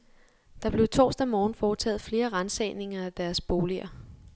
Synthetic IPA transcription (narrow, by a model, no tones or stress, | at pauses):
d̥ɑ̈b̥le̝ʊt͡sʰo̝̰ːsd̥æmɒːn̩fɒːt͡sʰɛ̰ːð̩ˠfle̝ːɐʁɑnsɛ̰ːne̝ŋɐæd̥æɐsb̥o̝ːliɐ̰